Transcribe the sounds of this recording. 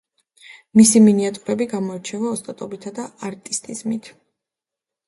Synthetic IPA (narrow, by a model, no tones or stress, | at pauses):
misiminiat̪ʼuɾɛbiɡamɔɛɾt͡ʃʰɛvaɔst̪ʼat̪ʼɔbit̪ʰad̪aaɾt̪ʼist̪ʼizmit̪ʰ